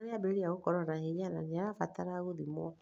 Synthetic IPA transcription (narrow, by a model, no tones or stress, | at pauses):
ɾeabeɾijaɣokɔɾɔnaheɲananeaɾafataɾaɣoðimɔ